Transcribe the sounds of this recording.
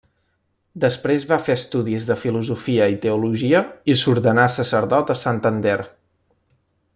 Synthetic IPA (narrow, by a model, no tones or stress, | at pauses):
d̪əspɾezβafeəst̪uðizðəfiluzufiəit̪əuluʒiəisuɾðənasəsəɾðɔt̪əsant̪ənd̪er